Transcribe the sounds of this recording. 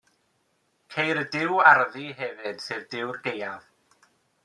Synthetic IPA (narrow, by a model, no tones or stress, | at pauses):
kʰejɾədɪwarðiɦɛvɨd̥sɨːðdɪwrɡejað